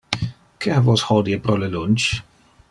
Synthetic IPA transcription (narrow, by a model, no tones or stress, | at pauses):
kʰɛhavɔshɔdiəpɾɔləlʊnt͡ʃ